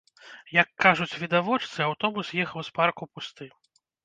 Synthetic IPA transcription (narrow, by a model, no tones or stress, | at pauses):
jɐkːaʐut͡sʲvʲid̪avɔt͡ʂt̪sɨawt̪ɔbusjɛxɐwsparkupust̪ɨ